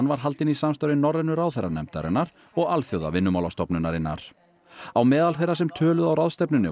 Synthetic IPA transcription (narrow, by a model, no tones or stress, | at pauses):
nvaɾ̥ɦalt̪ɪnisamst̪aɾɪnːɔɾɛnːʏɾawθejrːa̰nɛ̰mt̪a̰ɾɪ̰nːaɾ̥ | ɔɣalθjowða̰vɪnːʏmawlast̪ɔpnʏnːaɾɪnːa̰ɾ̥ | awmɛːðalθejrasɛmt̪ʰœːlʏðawɾaðst̪ɛpnʏnːɪ̰